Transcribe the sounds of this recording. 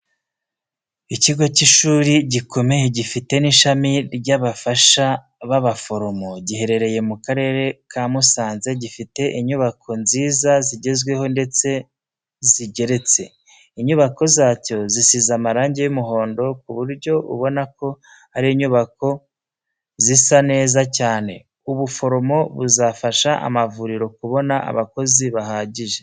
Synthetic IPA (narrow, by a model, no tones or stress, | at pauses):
iciɡo̞ciʃuːɾiɟiko̞me̞jeɟifite̞niʃamiɾɟaβafaʃa | βaβafo̞ɾomoɟiɦe̞ɾe̞ɾe̞je̞mukaɾe̞ɾe̞kʰaːmusaːnze̞ɟifite̞ʔiɲuβakʰo̞nziːzaziɟe̞zɡwe̞ho̞nde̞t͡se̞ | ziɟe̞ɾe̞t͡se̞ | iɲuβako̞zaːco̞zisizamaɾaːɲɟejumuɦo̞ːndo̞kuβuɾɟo̞ʔṵβo̞nako̞ | haɾiiɲuβako̞ | zisane̞ːzacaːne̞̰ | uβufo̞ɾo̞mo̞βuzafaʃaʔa̰mavuɾiɾo̞kuβo̞naa̰βako̞ziβaɦaːɟiʒe̞